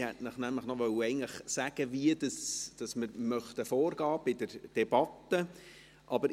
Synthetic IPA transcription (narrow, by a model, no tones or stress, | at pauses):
hɛtnəχnæmləχnɔʋœwəɛɪn̩tləχsæɡ̥əviədɑsd̥ɑsməɾmœχt̪əfoːrɡ̥ɑːb̥ɪdəɾd̥ɛb̥ɑt̪ːə | ʔɑbəɾ